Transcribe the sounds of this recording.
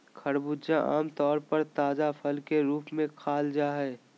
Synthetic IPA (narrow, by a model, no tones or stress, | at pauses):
kʰɐɽbud͡ʒaʔa̰ːmt̪ɔːɾpɐɾt̪aːzafʰəlkeɾuːpmẽkʰaːld͡ʒaɦɛː